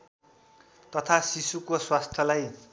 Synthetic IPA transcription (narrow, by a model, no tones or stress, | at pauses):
t̪ʌt̪ʰasisukoswast̪ʰjʌlaj